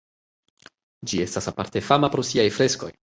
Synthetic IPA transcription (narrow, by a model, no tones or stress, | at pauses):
d͡ʒie̞stasapa̰ɾte̞famapɾosiajfɾe̞sko̞̰j